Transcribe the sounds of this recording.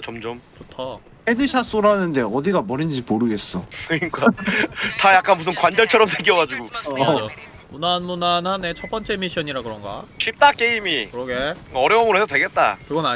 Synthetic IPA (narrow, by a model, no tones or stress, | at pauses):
t͡ɕomd͡ʑomt͡ɕotʰʌ | hedɯɕʰas͈oɾanɯnde̞ʌdiɡamʌɾind͡ʑimoɾɯɡe̞s͈ʌkɯɲik͈atajak͈anbus̬ʰɯmkwand͡ʑʌɭt͡ɕʰʌɾʌmsʰeɡiʌɡad͡ʑuɡuo | munanmunanhane̞t͡ɕʰʌt̚p͈ʌnt͡ɕ͈e̞miɕ͈ʰʌɲiɾakɯɾʌnɡa̰t͡ɕʰip̚t͈ak͈e̞imikɯɾʌɡe̞ʌɾjʌomɯɾɦesʰʌtweɡe̞t̚t͈a̰kɯɡʌna